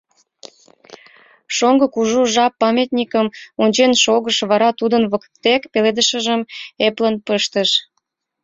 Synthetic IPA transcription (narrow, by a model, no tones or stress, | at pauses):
ʃoŋɡəkuʒuʒɑpːɑmʲet̪nʲikəmunʲt͡ɕenʃoɣəʃβɑɾɑt̪ud̪ənβəkt̪ekpeled̪əʃəʒəmeplənpəʃt̪əʃ